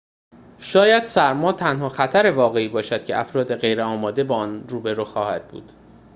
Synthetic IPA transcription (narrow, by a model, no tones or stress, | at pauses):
ʃɒːjæd̪̥sæɾmɒːt̪ʰænhɒːxæt̪ʰæɾe̞vɒːɣe̞iːbɒːʃæd̪̥̚cʰe̞̰ʔæfɾɒːd̪e̞ɣejɾeɒːmɒːd̪e̞bɒːɒnruːbe̞ɾuːxɒːhæd̪̚bṵːd̪̥